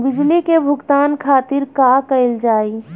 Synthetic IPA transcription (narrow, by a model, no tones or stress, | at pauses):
bɪd͡ʒlikebʱʊɡt̪aːnkʰaːt̪ɪɾkaːkəɪld͡ʒaːi